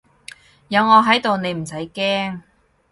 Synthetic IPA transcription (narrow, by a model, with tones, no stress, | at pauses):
jɐ˨˧wŋɔː˨˧ɦɐ˨˥jt̪o˨wne˨˧jm̩˨˩sɐ˨˥jkɛː˥ŋ